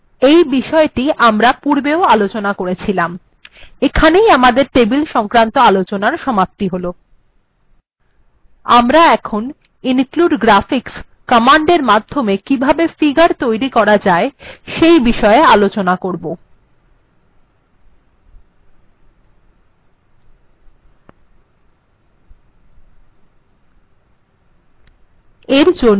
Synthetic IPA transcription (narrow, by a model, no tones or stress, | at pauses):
ejbiʃɔeʈiʔamɾapuɾbeoalot͡ɕonakoɾet͡ɕʰilam | ekʰanejamad̪eɾʈebilʃɔŋkɾant̪oalot͡ɕonaɾʃɔmap̚t̪iɦolo | amɾaɛkʰon | inkluɖɡɾafiks | kɔmaɳɖeɾmad̪ʱːomekibʱabefiɡaɾt̪ojɾikɔɾad͡ʑaeʃejbiʃɔealot͡ɕonakoɾbo | eɾd͡ʑon